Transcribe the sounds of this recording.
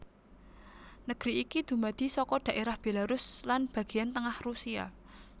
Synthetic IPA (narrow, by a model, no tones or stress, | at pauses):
nəɡ̥ɾiːkid̪̥ṳmad̪̥i̤sɔkɔɖ̪̥a̤ʔeɾahb̥elaɾʊslanb̥a̤ɡ̥i̤jant̪əŋahrusia̰